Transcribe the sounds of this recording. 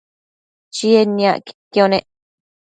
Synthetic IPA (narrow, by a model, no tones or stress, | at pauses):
t͡ʃienĩã̰ki̥kjonẽʔ